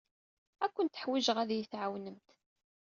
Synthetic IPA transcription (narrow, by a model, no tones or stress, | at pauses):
ækʷːənt̪ːəħwiʒəʁæðjəθʕawnəmt̪